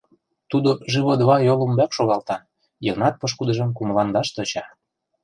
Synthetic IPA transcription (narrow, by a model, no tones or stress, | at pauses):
t̪ud̪oʒiβod̪βɑjolə̆mbækʃoɣɑlt̪ɑn | jɤɣnɑt̪̚pɤ̆ʃ̬kud̪əʒə̆mkuməlɑnd̪ɑʃt̪ɤ̆t͡ɕɑ